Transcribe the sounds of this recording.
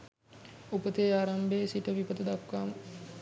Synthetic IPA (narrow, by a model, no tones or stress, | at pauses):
upət̪eːaːɾambeːsiʈəʋipət̪əd̪akʋaːm